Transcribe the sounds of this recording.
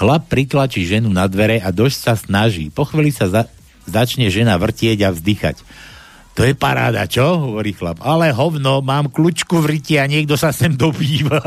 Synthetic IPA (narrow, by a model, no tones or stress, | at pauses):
xlap̚ːɾit̪lat͡ʃiːʒɛnunad̪ʋɛɾɛad̪ɔʃsasnaʒḭːpɔxʋiːlisa | zat͡ʃɲɛʒɛnaʋr̩cɪɛɟavzd̪ixa̰c | t̪ɔjɛpaɾa̰ːd̪a̰t͡ʃɔɦɔʋɔɾiːxla̰palɛɦɔʊnɔmaːmklut͡ʃkuʋriciaɲɪɛɡ̚d̪ɔsasɛmd̪ɔbiːʋa